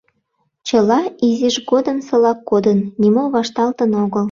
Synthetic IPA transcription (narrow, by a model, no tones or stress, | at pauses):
t͡ɕəlɑiziʒɣod̪əmsɤ̆lɑkːod̪ənːʲimoβɑʃt̪ɑlt̪ənoɣəl